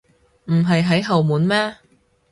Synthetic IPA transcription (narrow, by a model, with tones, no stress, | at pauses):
m̩˨˩ɦɐ˨jɦɐ˨˥jɦɐ˨wmuː˨˥nmɛː˥